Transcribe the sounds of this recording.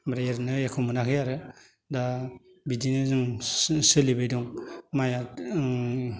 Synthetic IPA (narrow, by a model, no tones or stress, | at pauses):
mɾajeɾnɯjakʰɯmɯnakʰɯjaɾɯ | da | bidinɯzɯŋsɯlibajdɔŋmaja